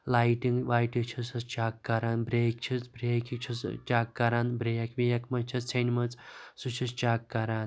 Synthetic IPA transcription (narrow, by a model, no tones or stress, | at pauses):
laːjʈiŋɡʋaːjʈit͡ʃʰisɐst͡ʃaːkːɐɾaːnbɾeːkt͡ʃʰit͡sbɾeːkit͡ʃʰist͡ʃaːkːɐɾaːnbɾejɐkʋijɐkmɐt͡ʃʰit͡st͡sʰɐnmɐt͡ssut͡ʃʰist͡ʃaːkːɐɾaːn